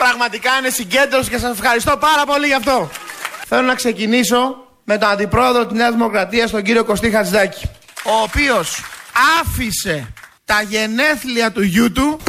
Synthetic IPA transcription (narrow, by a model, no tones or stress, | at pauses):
pɾɐɣmɐt̪ikɐine̞siɲɟe̞nd̪ɾoscesɐse̞fxɐɾist̪o̞pɐɾɐpo̞liʝɐft̪o̞θe̞lo̞nɐkse̞ciniso̞ | me̞t̪o̞nɐnd̪ipɾo̞e̞ðɾot̪izneɐzðimo̞kɾɐt̪iɐst̪o̞ɲɟiɾio̞ko̞st̪ixɐzd̪ɐci̥ | o̞ːpio̞sɐfise̞t̪ɐʝe̞ne̞θliɐt̪uʝut̪u